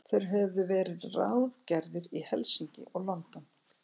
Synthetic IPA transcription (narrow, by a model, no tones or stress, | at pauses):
θejɾ̥ɦɛvðʏvɛːɾɪðra̰wðcɛɾðɪɾihɛlsiɲcɪ̰ʔɔɣlɔnt̪an